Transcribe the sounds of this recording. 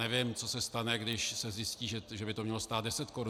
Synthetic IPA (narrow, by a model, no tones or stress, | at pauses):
ɛvɪmt͡so̞sɛst̪anɛɡdɪʃsɛzjɪsciːʒɛʒɛbɪt̪omɲɛlost̪aːt̪̚dɛsɛt̪koɾu